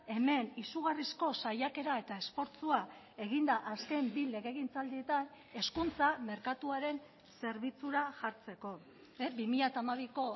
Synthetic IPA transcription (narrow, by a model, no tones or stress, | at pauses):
e̞me̞nisuɣarisko̞sajake̞ɾae̞t̪ae̞spo̞ɾt͡sua | e̞ɣind̪aʔaske̞mbile̞ɣe̞ɣint͡sald̪ie̞t̪an | e̞skunt͡same̞ɾkat̪uaɾe̞n | se̞ɾβit͡suɾaʝaɾt͡se̞ko̞ | bimiʎat̪aːmaβ̞iko̞